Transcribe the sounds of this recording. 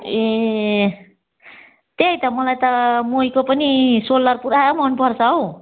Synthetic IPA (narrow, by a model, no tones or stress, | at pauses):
e | t̪ejt̪ʌmʌlajt̪ʌmojkopʌnisolːʌrpuɾamʌnpʌrt͡sʰʌɦow